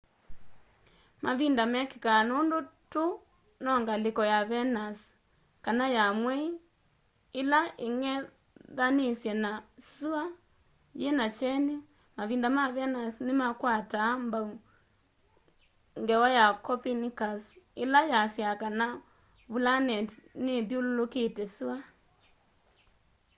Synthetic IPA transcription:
mʔaβindamɛkikanondoto | nɔŋɡalekɔjaβɛnas | kanajamwɛi | elaʔeŋɛ | ðanesjɛnasua | jenat͡ʃɛne | maβiːndamaβɛnasnɪmakwatambau | ŋɡɛwajakɔpinikasɪlajasjakana | βulanɛtniðjululoketɛsua

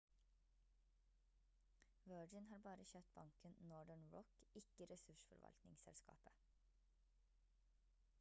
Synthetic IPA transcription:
ʋøːd͡ʒɪnhɑːɾbɑːɾəçøːt̪̚bɑŋkʰənnɔɖəɳɹɔkɪkəɾɛsʉʃfɔ̰ɾʋɑ̰lt̪nɪŋsɛ̰lskɑ̰ːpə̥

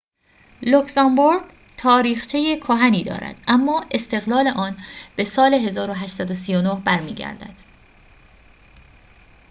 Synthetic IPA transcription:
loksɑmboɾɡ | t̪ʰɒːɾiːxt͡ʃʰejekʰoɦæniːd̪ɒ̰ːɾæ̰d̪̥ʔæmːɒːʔe̞st̪e̞ɣlɒːle̞ʔɒːnb̥e̞sɒːle̞ɦe̞zɒːɾoɦæʃt̪sæd̪osijonohbæɾmiːɟæ̰ɾd̪æ̰d̪̥

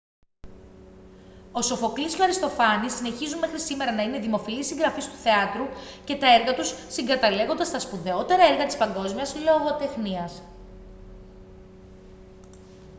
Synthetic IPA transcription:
o̞so̞fo̞kliscoɐɾist̪o̞fɐnisine̞çizunme̞xɾisime̞ɾɐnɐine̞ðimo̞filisiŋɡɾɐfist̪u̥θe̞ɐt̪ɾuce̞t̪ɐeɾɣɐt̪usːiŋɡɐt̪ɐle̞ɣo̞nd̪ɐst̪ɐspuðe̞o̞t̪e̞ɾɐeɾɣɐt̪ispɐŋɡo̞zmiɐslo̞ɣot̪e̞xniɐs

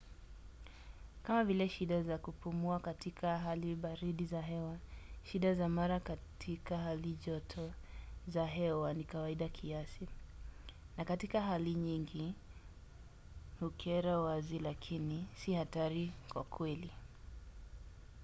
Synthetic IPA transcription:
kamavilɛʃiɗazakupumuakatikʰaɦaliɓaɾiɗizaɦɛwaʃiɗazamaɾakatʰikaɦaliʄɔtʰɔzaɦɛwanikawaiɗakʰiasi | nakatikaɦaliɲiŋɡi | hukʰɛɾawazilakʰinisihataɾikwa̰kʰwɛli

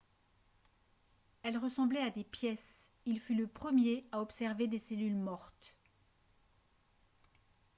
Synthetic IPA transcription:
ɛlʁəsɑ̃blɛad̪epjɛs | ilfyləpχəmjeaɔpsɛʁved̪eselylmɔʁt̪

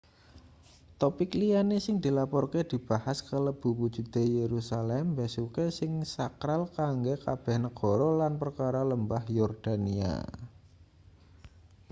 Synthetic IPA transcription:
t̪ɔpɪklijanesɪŋd̪̥i̤lapɔrked̪̥i̤b̥a̤haskələb̥ṳwud̥d͡ʒ̥ṳd̪̥e̤jeɾusalɛmbesukesɪŋsakɾalkaŋɡekab̥ɛ̤hnəɡ̥ɔ̤ɾɔlanpərkaɾaləmbahjɔrd̪̥ania̰

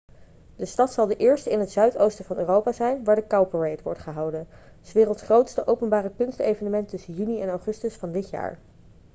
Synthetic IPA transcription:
dəstɑtsɑlˠdəʔɪːɹstəɪnətsœɥtowstəv̥ɑnøːrowpaːzɛjnʋaːɹdəkawpəɹejtʋɔɹtχəɦɑwdən | sʋɪːrəlˠtsχrowtstəʔowpənbaːrəpʏnstejvənəmɛntɵsənjyniɛnɑwχɵstəsfɑndɪtja̰ːɹ

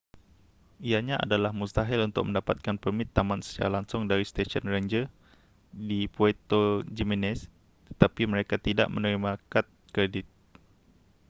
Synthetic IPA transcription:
ijaɲãʔa̰dalahmust̪aɦalunt̪ʊk̚mə̃ndapat̪̚kanpərmɪ̃t̪ːamãnsə̥t͡ʃa̰ɾalaŋsʊŋdaɾist̪eʃənraɲd͡ʒə | dipuet̪od͡ʒiminɛs | t̪ə̥t̪apimə̃ɾekat̪ida̰ʔmənəɾimãkat̪̚kɾedɪt̪̚

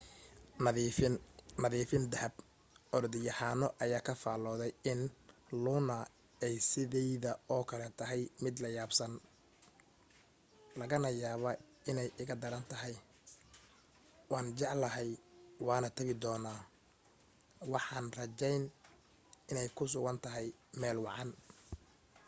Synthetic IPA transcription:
nɐðiːfɪnd̪ɐhɐb | ɔɾd̪ɪjɐhaːnɔʔɐjaːkʰɐfaːlɔːðɛjɪnlʊːnɐ | ɛjsɪðɛjðɐɔːkʰɐlɛt̪ʰɐɦɛjmɪd̪lɐjaːbsɐn | lɐɣɐnɐjaːβɐ | ɪnɛjʔɪɣɐd̪ɐɾɐnt̪ʰɐɦɛj | wɑːnd͡ʒɛʕlɐɦɛjwɑːnɐt̪ʰɐɣɪd̪ɔːnaː | wɑħɑːnrɐt͡ʃɛjn | ɪnɛjkʰʊs̬ʊɣɐnt̪ʰɐɦɛjmɛːlwɑʕɑn

